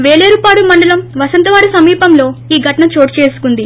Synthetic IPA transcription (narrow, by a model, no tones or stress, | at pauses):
ʋe̞ːɭeːɾupaːɽumɐɳɖɐlɐmʋɐsɐnt̪ɐʋaːɽisɐmiːpɐmlo̞ːiːɡʱɐʈɐɳɐt͡ʃo̞ːʈt͡ʃe̞ːsu̥kund̪i